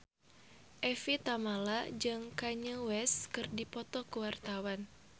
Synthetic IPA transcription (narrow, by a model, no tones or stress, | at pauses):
ʔɛfit̪amalad͡ʒɨŋkaɲəwɛskɨrdipɔt̪ɔkəwart̪awan